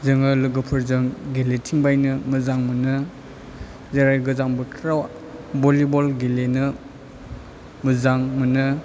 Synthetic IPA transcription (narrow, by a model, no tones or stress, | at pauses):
zɐŋalɯɡɯpʰɯɾzɯŋɡeletʰiŋbajnɯmɯzaŋmɯnɯ | zaɾajɡɯzaŋbɯtʰɾaw | bɔlibɔlɡelenɯ | mɯzaŋmɯnɯ